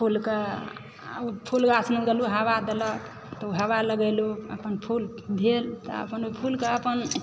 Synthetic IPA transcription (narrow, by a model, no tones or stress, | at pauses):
pʰulke | upʰulkasnuɡeluɦəʋad̪elək | t̪ɔuɦəʋaləɡəjluə̰pənpʰul | bʱelt̪ɔ̰ə̰pənoipʰulkeəpən